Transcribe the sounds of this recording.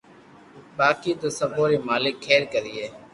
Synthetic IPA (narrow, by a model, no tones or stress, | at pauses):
ɓaːkiːt̪oːsəbʱoːɾeːmaːlɪkʰːeːɾkəɾiːɦeː